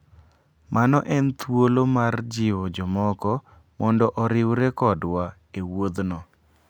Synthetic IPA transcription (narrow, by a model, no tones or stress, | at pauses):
mʔanɔʔɛnt̪wolomard͡ʒɪwɔd͡ʒɔmɔkɔ | mɔndɔʔɔɾɪwɾekɔdwa | ewod̪nɔ